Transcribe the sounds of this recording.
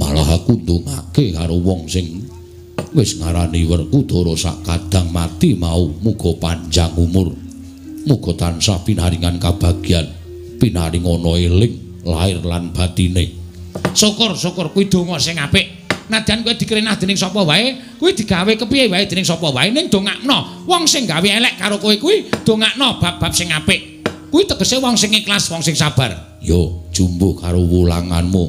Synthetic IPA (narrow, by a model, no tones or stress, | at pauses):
ma̰laɦakund̪uŋa̰kekaɾowɔŋsɪŋ | wɪsŋaɾaniwərkud̪̥o̤ɾosa̰ʔkad̪̥a̤ŋmat̪imaumuɡ̥ɔ̤paɲd͡ʒaŋumʊr | muɡ̥ɔ̤t̪ansahpinaɾiŋankab̥a̤ɡ̥i̤an | pinaɾiŋɔnɔelɪŋ | la̰ɪrlanb̥at̪ine | sokʊrsukʊrkuwid̪̥o̤ŋɔsɪŋapɪʔ | nad̪̥i̤ankuwed̪̥i̤kəɾinahd̪̥e̤nɪŋsɔpɔwae | kuwid̪̥i̤ɡawekəpiewaed̪̥e̤nɪŋsɔpɔwaenɪŋd̪̥o̤ŋaʔnɔ | wɔŋsɪŋɡaweelɛʔkaɾokoikuwid̪̥o̤ŋaʔnɔb̥a̤p̚b̥a̤p̚sɪŋapɪʔ | kuit̪əɡ̥ə̤sewɔŋsɪŋɪklaswɔŋsɪŋsab̥a̤r | jo̥ʒ̥umbohkaɾowula̰ŋa̰nmo